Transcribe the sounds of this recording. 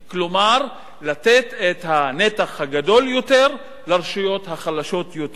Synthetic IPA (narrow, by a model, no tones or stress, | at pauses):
klomaʁ | late̞tet̪hane̞taχhaɡado̞ljo̞te̞ʁ | laʁeʃujo̞thaχalaʃo̞t̪jot